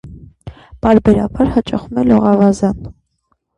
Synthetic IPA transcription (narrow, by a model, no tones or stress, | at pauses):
pɑɾbɛɾɑ̰bɑɾhɑt͡ʃʼɑχumɛlɔʁɑvɑzɑn